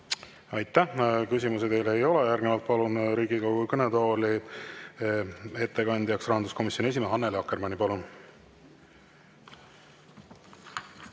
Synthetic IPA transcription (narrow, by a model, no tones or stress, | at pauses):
ɑjt̪ːˑæhkysimus̬ed̪e̞jle̞jo̞lejærɡ̥nevɑlt̪̚pɑlunɾiːɡ̥ikɑwkukɤned̪o̞ːli | e̞t̪ːe̞kɑnʲd̪jɑksrɑhɑnd̪usko̞misjone̞s̬ʲimeɦɑnːeleɑkːermɑnʲipɑlun